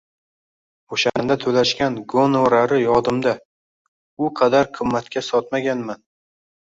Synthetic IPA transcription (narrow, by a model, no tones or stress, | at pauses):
oʃand̪at̪ʰɵlaʃkʲanɡonoɾaɾɪjɒd̪ɪmd̪a | ʊqʰɑd̪aɾqʰɨmːat̪kʲasɒt̪maɡʲanman